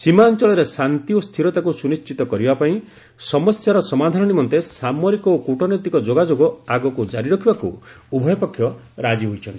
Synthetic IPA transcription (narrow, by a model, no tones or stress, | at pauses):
simant͡ʃɔɭɔɾesant̪iost̪ʰiɾɔt̪akusunist͡ʃit̪ɔkɔɾibapaĩ | sɔmɔsjaɾɔsɔmad̪ʱanɔnimɔnt̪esamɔɾikɔokuʈɔnɔt̪ikɔd͡ʒoɡad͡ʒoɡɔaɡɔkud͡ʒaɾiɾɔkʰibaku | ubʱɔjɔpɔkʰjɔ | ɾad͡ʒiɦojt͡ʃʰɔnt̪i̥